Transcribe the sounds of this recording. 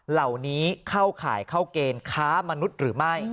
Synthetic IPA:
la˨˩wniː˦˥kʰa˥˩wkʰa̰ː˩˦jkʰa˥˩wkeː˧nkʰaː˦˥ma˧nu˦˥t̪̚ɾɯː˩˦ma˥˩j

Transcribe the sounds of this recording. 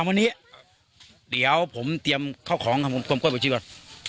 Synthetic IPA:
ma˧niː˦˥˩ | di˩˦əwpʰo˩˦mt̪i˧əmkʰaː˥˩wkʰɔː˩˦ŋkʰa˧˩pʰo˧˦mkʰu˧mku˥˩pɔ˨˩t͡ɕi˧˩˧a˧˩n

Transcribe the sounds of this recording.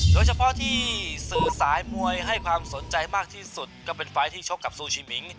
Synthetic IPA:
doː˧jt͡ɕʰa˧mpʰɔ˦˥˩t̪ʰiː˥˩sɯː˨˩saː˩˦jmu˧əjɦa˥˩jkʰwaː˧mso˩˦nt͡ɕa˧jmaː˥˩k̚t̪ʰiː˥˩su˨˩t̪̚kɔː˥˩pe˧nfaː˦˥jt̪ʰiː˥˩t͡ɕʰo˦˥˩kːa˨˩p̚suː˧t͡ɕʰiː˧mi˩˦ŋ

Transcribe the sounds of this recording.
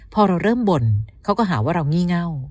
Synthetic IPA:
pʰɔː˧ɾa˧wɾɤː˥˩mbo˧nkʰa˦˥wkɔː˥˩ɦaː˩˦waː˥˩ɾa˧wŋiː˥˩ŋa˥˩w

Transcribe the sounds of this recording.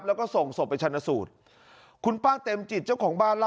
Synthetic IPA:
p̚lɛː˦˥wkɔː˥˩so˨˩ŋso˨˩pːa˧jt͡ɕʰa˧nːa˧suː˨˩t̪̚ | kʰu˧npaː˥˩t̪e˧mt͡ɕi˨˩t̪̚t͡ɕa˥˩wkʰɔː˩˦ŋbaː˥˩nla

